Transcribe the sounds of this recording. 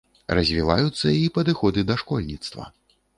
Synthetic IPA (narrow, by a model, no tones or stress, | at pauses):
ɾɐzʲvʲila̰jut̪sːɐipɐd̪ɨxɔd̪ɨd̪ɐʂkɔlʲnʲit̪st̪vɐ̰